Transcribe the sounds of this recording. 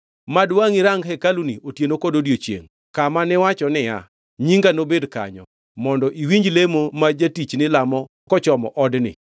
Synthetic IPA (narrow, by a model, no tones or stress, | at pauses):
madwaŋɪɾaŋɡɦɛkaluniʔotjenokɔdodjot͡ʃjḛŋ | kamanɪwat͡ʃɔnɪja̰ | ɲiŋɡanobedka̰ɲɔ̰ | mɔndɔʔiwiɲd͡ʒlemomad͡ʒatit͡ʃnɪlamɔ | kɔt͡ʃɔmɔ̰ʔɔdnɪ̰